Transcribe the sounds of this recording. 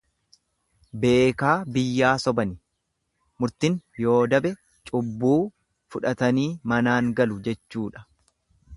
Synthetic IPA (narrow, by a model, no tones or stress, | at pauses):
be̞ːkaːbɪjːaːsɔbɐnɪ | mʊɾt̪ɪnjo̞ːd̪ɐbɛ | t͡ʃʼʊbːuː | fʊᶑɐt̪ɐniːmɐnaːŋɡɐlʊd͡ʒɛt͡ʃːuːᶑɐ̥